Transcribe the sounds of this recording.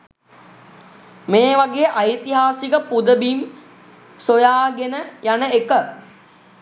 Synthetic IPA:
meːʋaɡeːʔajt̪iɦaːsikəpud̪əbim | sojaːɡenəjanəekə

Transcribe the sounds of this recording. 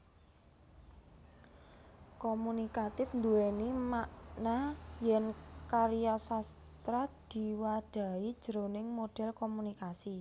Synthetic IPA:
komunikat̪ɪfnd̪uwenimaʔnajɛnkaɾijasas | t̪ɾad̪̥i̤wad̥a̤id̥ʒ̥əɾonɪŋmoɖ̥ɛ̤lkomunikasi

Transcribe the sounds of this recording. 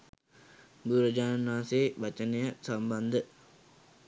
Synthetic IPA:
buɾəd͡ʒaːnnːaːseːʋat͡ʃənejaʔsamband̪ə

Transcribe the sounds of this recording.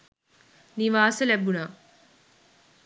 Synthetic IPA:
niʋaːsɐlɛbunaː

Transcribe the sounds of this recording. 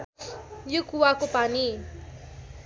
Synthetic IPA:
jukuwakopani

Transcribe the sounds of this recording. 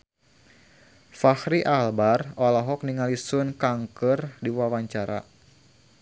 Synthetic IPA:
fahɾiʔalbarɔlaɦɔk̚niŋalisʊnkaŋkərdiwawaɲt͡ʃaɾa̰

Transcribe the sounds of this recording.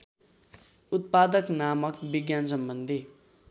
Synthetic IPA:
ut̪̚pad̪ʌknamʌkbiɡjans̬ʌmbʌnd̪ʱi

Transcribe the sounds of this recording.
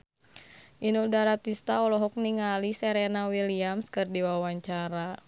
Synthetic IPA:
ʔinudaɾat̪ist̪aɔlɔɦɔk̚niŋalisɛɾenawiliamskɨrdiwawaɲt͡ʃaɾa

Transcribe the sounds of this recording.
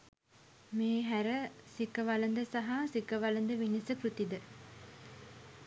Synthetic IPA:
meːɦæɾəsikəʋalənd̪əsaɦasikəʋalənd̪əʋinəsəkɾut̪id̪ə

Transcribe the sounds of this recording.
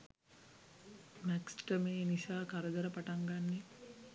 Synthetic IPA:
mæksʈəmeːnisaːkaɾəd̪ɐɾəpaʈaŋɡanːe

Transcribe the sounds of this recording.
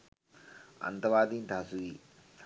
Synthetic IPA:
ɐ̰̃nt̪əʋaːd̪ĩːnt̪aːsuiː

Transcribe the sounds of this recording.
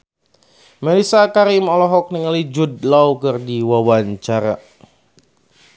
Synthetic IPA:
mɛlisakaɾimɔlɔɦɔk̚niŋalid͡ʒudlawkɨrdiwawaɲt͡ʃaɾa

